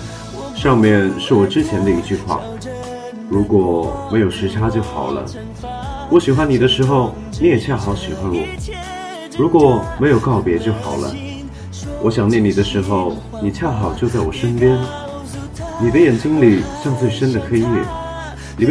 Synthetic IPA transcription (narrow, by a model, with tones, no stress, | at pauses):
ʂɑ˥˧ŋmjɛ˥˧nʂɻ̩˥˩wɔ˨˩ʈ͡ʂɻ̩˥t͡ɕʰjɛ˧˥nd̪ə˧i˧˥t͡ɕy˥˧xwa̰˥˩ | ɻu˧˥kwɔ˨˩me˧˥ɪjo˨˩ʊʂɻ̩˧˥ʈ͡ʂʰa˥t͡ɕjo˥˩ʊxɑ˨˩ʊlə̰˦ | wɔ˧˥ɕi˨˩xwa˥ni˨˩d̪ə˦ʂɻ̩˧˥xo˥˧ʊ | ni˧˥jɛ˨˩t͡ɕʰja˥˩xɑ˧˥ʊɕi˨˩xwa˥nwɔ̰˨˩˦ | ɻu˧˥kwɔ˨˩me˧˥ɪjo˨˩ʊkɑ˥˩ʊpjɛ˧˥t͡ɕjo˥˩ʊxɑ˨˩ʊlə̰˦ | wʔɔ˧˥ɕjɑ˨˩ŋnjɛ˥˩ni˨˩d̪ə˦ʂɻ̩˧˥xo˥˧ʊ | ni˨˩t͡ɕʰja˥˩xɑ˨˩ʊt͡ɕjo˥˧ʊt͡sa˥˩ɪwɔ˨˩ʂə˥npjɛ˥n | ni˨˩d̪ə˦jɛ˨˩nt͡ɕi˥ŋli˨˩ɕjɑ˥˧ŋt͡swe˥˩ɪʂə˥nd̪ə˨xe˥ɪnɛ̰˥˩ | ni˨˩m